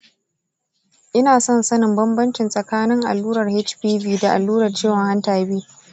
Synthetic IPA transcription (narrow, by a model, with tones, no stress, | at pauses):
ʔɪ˦naː˨sɔ˦nsɐ˦nɪ˨mbɐ˦mbɐ˦nt͡ʃɪ˨nsʼɐ˨kaː˦nɪ˦ŋʔa̰˨lːuː˦ɾɐ˨rhe˦t͡ʃɸiː˦biː˦da˨ʔa̰˨lːuː˦ɾɐ˨rt͡ʃeː˦˨wɐ˨ŋha˦ntaː˨˦biː˦